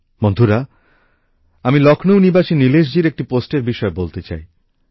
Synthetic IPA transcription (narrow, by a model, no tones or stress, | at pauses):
mond̪ʱuɾa | amilɔkʰnownibaʃinileʃ̬d͡ʑiɾek̚ʈiposʈeɾbiʃɔebolt̪et͡ɕa̰j